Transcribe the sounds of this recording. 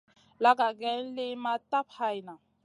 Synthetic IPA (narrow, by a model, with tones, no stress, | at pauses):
la˦k̬a˨k̬ɛ˦n̩˦lɪ˦ma˦tʼa˦pʰa˦jna˨